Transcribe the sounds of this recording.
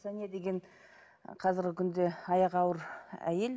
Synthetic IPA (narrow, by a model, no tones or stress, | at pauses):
sæned̪e̞ɡʲen | qʰɑzɪɾɡʲɪkʲʰʏnd̪e̞ɑjɑqɑwəɾæ̰je̞l